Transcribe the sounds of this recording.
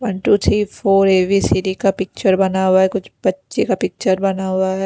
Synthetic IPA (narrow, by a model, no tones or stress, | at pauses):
ʋɐnʈuːt̪ʰɾiːfʰoːɾeːʋisiːɾikapɪk̚t͡ʃəɾbɐnaɦʊaɦɛkʊt͡ʃʰbɐtːʃekapɪk̚t͡ʃəɾbɐnaɦʊaɦɛː